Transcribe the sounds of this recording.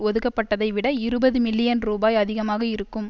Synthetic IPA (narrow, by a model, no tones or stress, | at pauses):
ɔðɯɣɐpːɐʈːɐðɐɪʋɪɽɐɪɾɯbɐðɯmɪlːɪjɐnɾuːbaːjɐðɪɣɐmaːɣɐɪɾɯkːɯm